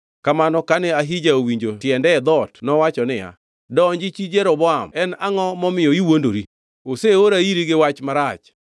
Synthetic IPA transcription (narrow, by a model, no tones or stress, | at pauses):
kamanɔkanɛaɦid͡ʒaowiɲd͡ʒotjɛndɛd̪ɔtnɔwat͡ʃɔnɪja̰ | dɔnd͡ʒit͡ʃid͡ʒɛɾɔbɔamɛnaŋɔmɔmɪɔiwondoɾi | oseoɾaiɾiɡɪwat͡ʃmaɾat͡ʃ